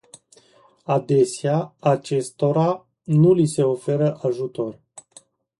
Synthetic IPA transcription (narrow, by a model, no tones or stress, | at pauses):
ad̪e̞seaat͡ʃe̞st̪o̞ɾa | nulise̞o̞fe̞ɾəʔaʒut̪o̞r